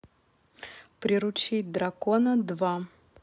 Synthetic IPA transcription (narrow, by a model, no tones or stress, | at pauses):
pɾʲɪɾʊt͡ɕit̚ʲd̪ɾɐkonəd̪va